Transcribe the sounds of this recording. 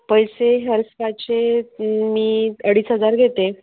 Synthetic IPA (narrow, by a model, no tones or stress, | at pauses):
pəjseɦəɾspat͡ɕe | miːəɽ̤iːsɦəd͡zaɾɡʱet̪e